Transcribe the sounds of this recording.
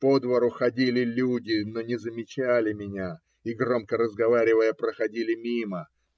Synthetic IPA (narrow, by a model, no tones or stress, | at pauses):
po̞d̪vəɾʊxɐdʲilʲɪlʲudʲɪno̞nʲɪzəmʲɪt͡ɕælʲɪmʲɪnʲa | iɡro̞mkəɾəzɡɐvaɾʲɪvəjəpɾəxɐdʲilʲɪmʲimə